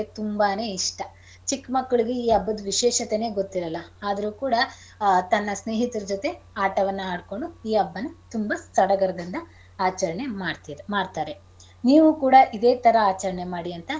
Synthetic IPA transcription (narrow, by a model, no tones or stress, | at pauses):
et̪umbaːneːiʂʈɐ | t͡ʃikːmɐkːɐɭiɡeiːɐbːɐd̪ʋiʃeːʃɐt̪ene̞ːɡo̞t̪ːiɾɐlːɐaːd̪ɐɾuːkuːɽɐ | t̪ɐnːɐsne̞ːɦit̪ɐɾɐd͡ʒot̪e̞ | aːʈɐʋɐnːɐaːɖko̞ɳɖuiːɐbːɐnːɐt̪umbɐst̪ɐɽɐɡɐɾɐd̪ɐnd̪ɐ | aːt͡ʃɐɾɐɳeamaːɽt̪aːɾe | niːʋukuːɽɐʔid̪e̞ːt̪ɐɾɐaːt͡ʃɐɾɐɳemaːɽiɐnt̪ɐ